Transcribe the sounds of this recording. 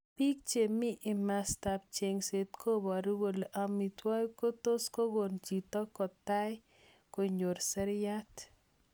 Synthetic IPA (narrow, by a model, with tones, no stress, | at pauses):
pi˦k̚t͡ʃe˨mɪ˦ʔɪ˨mast̪a˨p̚t͡ʃe˨ŋse˨t̪kʰo˦bɔ˨aɾi˦wo˨loʔa˨mi˨t̪wa˦jko˦t̪o˦sko˦ɡo˨nt͡ʃi˨t̪ɔ˦kɔ˨t̪a˦j | ko˨ɲo˨ɾsɛ˦ɾja˦t